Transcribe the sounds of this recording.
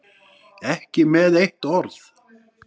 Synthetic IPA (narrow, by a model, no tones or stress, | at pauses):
ɛhcɪmɛðejht̪ɔɾθ